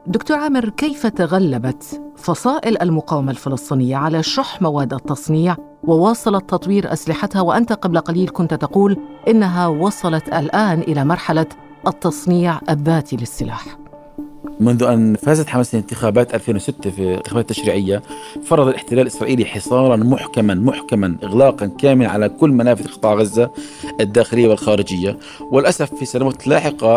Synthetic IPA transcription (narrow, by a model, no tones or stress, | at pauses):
d̪ʊkt̪uːɾʕaːmɪɾkejfat̪aɣalːabat̪fɑsˤɑːʔɪlʔalmʊqaːwɪmalfɪlɨsˤt̪ˤiːnɪjːaʕalaʃʊħmawaːd̪ːʔɑt̪ːɑsˤniːʕ | wɪwɑːsˤɑlɑt̪ːɑt̪ˤwiːɾʔa̰slɪħat̪hawɪʔant̪aqɑblqaliːlkʊnt̪t̪aquːlʔɪnːaɦawɑsˤɑlɑt̪ʔa̰lʔaːnʔɪlamɑɾˤħala | ʔɑt̪ːɑsˤniːʕʔabːaːt̪ʰilɪsːɪla̰ːħ | mʊnðʔanfaːzat̪ħamasɪnt̪ɪxaːbaːt̪ʔalfeːnwɪsɪt̪ːafiɪnt̪ɪ̥xabaːt̪̚t̪ːaʃɾiːʕɪjːafɑɾˤːɑd̪ˤɑlʔɪħt̪ɪlaːlʔɪsɾˤɑːʔiːliħɪsˤɑːɾˤɑnmʊħkamanmʊħkamanʔɪɣlaːqɑnkaːmɪlʕa̰lakʊlːmanaːfɪθlqɨt̪ˤɑːʕɣazːa | ad̪ːaːxɪlɪjːawɪlxaːɾɪd͡ʒɪjːa | wɪlʔasafːisanawaːt̪laːħɪqɑ